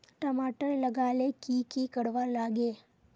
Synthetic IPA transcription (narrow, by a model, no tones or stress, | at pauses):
ʈəmaʈəɾləɡalekikikəɽʋaɾlaɡe